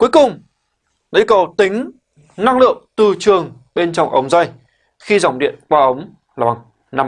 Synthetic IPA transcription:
ku˨˦əjkʊ˨˩ŋ͡m | ɗḭ˧˥kə˨˩wt̪ï˨˦ŋ̟ | na˧ŋlɨ̰˧˨əŋt̪ɨ˨˩t͡ɕɨ˨˩əŋ | ɓe˧nt͡ɕɔ˧wŋ͡mʔə˨˦wŋ͡mza˧j | xi˧za˨˧˩wŋ͡mɗḭ˧˨ənkwaː˧ʔə˨˦wŋ͡m | laː˨˩ɓa˨˩ŋ | na˧m

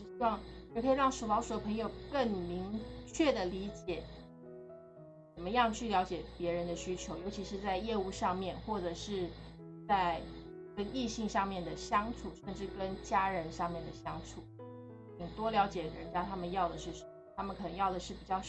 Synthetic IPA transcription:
ɻ̩˥˩ɕi˥wɑ˥˧ŋo˥˩kʰɤ˧˥i˨˩ɻɑ˥˩ŋʂu˨˩fɑ˧˥ʂu˨˩d̪ə˦pʰɤ˧˥ŋjo˨˧˩ʊkə˥˩ŋmi˧˥ŋt͡ɕʰɥɛ˥˩d̪ə˩li˧˥t͡ɕjɛ˨˩˦ | t͡sə˨˩mə˦jɑ˥˧ŋt͡ɕʰy˥˩ljɑ˧˥ʊt͡ɕjɛ˨˩pjɛ˧˥ɻə˧˥nd̪ə˧ɕy˥t͡ɕʰjo˧˥ʊjo˧˥t͡ɕʰi˧˥ʂɻ̩˧t͡sa˥˧ɪjɛ˥˧u˥˧ʂɑ˥˧ŋmjɛ˥˧nxwɔ˥˩ʈ͡ʂɤ˨˩ʂɻ̩˥˧ | t͡sa˥˧ɪ | kə˥ni˥˧ɕi˥˧ŋʂɑ˥˧ŋmjɛ˥˩nd̪ə˩ɕjɑ˥ŋʈ͡ʂʰu˨˩˦ʂə˥˧nʈ͡ʂɻ̩˥˩kə˥nt͡ɕja˥ɻə˧˥nʂɑ˥˧ŋmjɛ˥˩nd̪ə˩ɕjɑ˥ŋʈ͡ʂʰu˨˩˦ | t͡ɕi˨˩ŋt̪wɔ˥ljɑ˧˥ʊt͡ɕjɛ˨˩ɻə̰˧˥nt͡ɕja˥t̪ʰa˥mə˨njɑ˥˩ʊd̪ə˩ʂɻ̩˥˩ʂə˩m˩t̪ʰa˥mə˨nkʰɤ˨˩nɤ˧˥ŋjɑ˥˩ʊd̪ə˩ʂɻ̩˥˩pi˨˩t͡ɕjɑ˥˧ʊ

